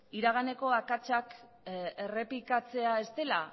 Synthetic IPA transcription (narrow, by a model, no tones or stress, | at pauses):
iɾaɣ̞ane̞ko̞akat͡ʃak | e̞re̞plikat͡se̞ae̞st̪e̞la̰